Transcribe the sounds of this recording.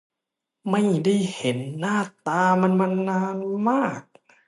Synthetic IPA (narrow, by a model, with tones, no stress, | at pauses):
ma˥˩jda˥˩jhe˨˦nːaː˥˩t̪aː˧ma˧nma˧nːaː˧˥nmaː˥˩k̚